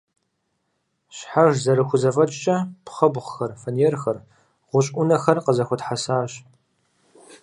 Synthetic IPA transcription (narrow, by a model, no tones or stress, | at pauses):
ɕħaʒzɐɾɨxʷʊzɐvɐt͡ʃʼt͡ʃʼɐpχɐbʁxɐrfɐnjɛrxɐr | ʁʷʊɕʼʔʷʊnɐxɐrqəzɐxʷɔtħasaːɕ